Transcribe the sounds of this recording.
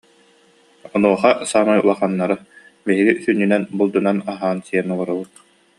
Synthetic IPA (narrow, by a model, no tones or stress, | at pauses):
ɔnuɔχasaːmajṵlˠaχanːaɾɯ | biɦiɡisynːynɛnbulˠd̪unanaɦaːnsiɛnɔlˠɔɾubut̪̚